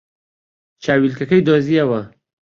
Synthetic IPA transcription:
t͡ʃɑwilkakəjd̪ozijawa

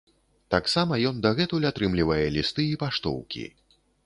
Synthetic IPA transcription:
t̪aksamɐjɔnd̪ɐɣɛt̪ulʲat̪ɾɨmlʲivɐjɛlʲist̪ɨipaʂt̪ɔ̰wkʲḭ

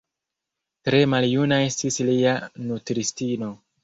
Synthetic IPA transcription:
tɾe̞maljunae̞stislianutɾistino̞

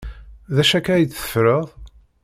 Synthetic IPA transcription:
ðæʃækæjə̥fɾəðˤ

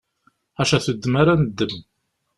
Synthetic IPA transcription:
æʃæθəd̪ːmaɾanəd̪ːəm

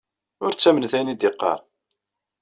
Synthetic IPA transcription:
ʊɾt͡sːæmənθænid̪ɪqːɑ̰ɾˤ

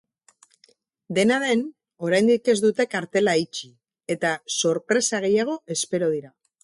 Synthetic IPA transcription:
d̪e̞naðe̞n | o̞ɾajnd̪ike̞zd̪ut̪e̞kaɾt̪e̞lait͡ʃi | e̞t̪aso̞ɾpɾe̞saɣ̞e̞jaɣ̞o̞ʔe̞spe̞ɾo̞ð̞iɾa

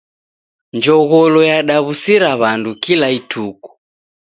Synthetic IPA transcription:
ɲd͡ʒɔɣɔlɔjaɗaβusiɾaβandukilaitʰuku̥

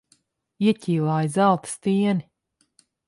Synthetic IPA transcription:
iɛcʲiːlˠaːjizalˠt̪ɨ̥st̪iɛni

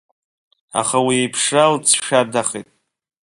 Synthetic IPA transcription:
a̰χawiejpʰʂalt͡sʰʃᶣardaχḛtʼ

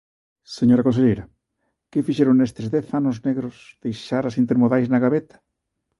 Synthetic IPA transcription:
seɲoɾakonseʎejɾɐ | kɪfiʃeɾoŋnest̪ezðɛθanozneɣɾosð̥ejʃaɾasint̪eɾmoðajznaɣaβet̪ḁ

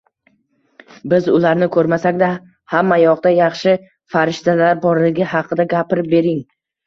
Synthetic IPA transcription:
bɪzʊlaɾnɪkʰɵɾmasakʲd̪a | hamːajɒqd̪ajɑχʃɪ | faɾɪʃt̪alaɾbɒɾlɪɡʲɪɦɑqʰɨd̪aɡʲapɪɾɪp̚be̞ɾɪŋ

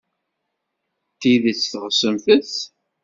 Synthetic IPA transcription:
t̪iðət͡sːθəʁəsəmθəθ

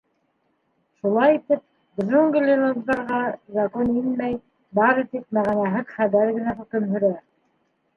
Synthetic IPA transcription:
ʃulˠɑjit̪ɘp̚ | bɵ̆zɵŋɡɘlʲelˠonzd̪ɑɾʁɑzɑkoninmæj | bɑɾɤt̪ip̚mæʁænæɦɘðχæβæɾɡɘ̆næχɵ̆kɘ̆mɦɵ̆ɾæ

